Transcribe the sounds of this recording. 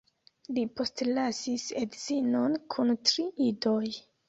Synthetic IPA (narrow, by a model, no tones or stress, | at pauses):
lipo̞stlasisedzinonkʰuntɾiʔido̞j